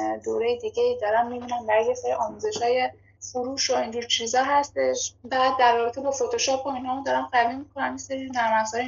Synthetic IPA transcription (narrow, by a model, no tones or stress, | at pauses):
d̪o̰ɾejed̪iɟeid̪ɒɾæmmibinæmbæɾjeseɾiʔɒːmuze̞ʃhɒːje̞ | fuɾuːʃoind͡ʒuːɾt͡ʃʰizɒːɦæst̪e̞ʃbæd̪̚ːærːɒːbe̞t̪ʰe̞bɒːfot̪ʰoʃɒːp̚ʰboinhɒːmod̪ɒɾæmɢævimikʰo̞næmjeseɾinæɾmæzɒːj